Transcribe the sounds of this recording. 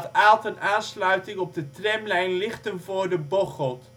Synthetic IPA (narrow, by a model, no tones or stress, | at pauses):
taːlˠtənaːnslœɥtɪŋɔb̚dətrɛmlɛjnlɪχtənvʊːrdəboχəlˠt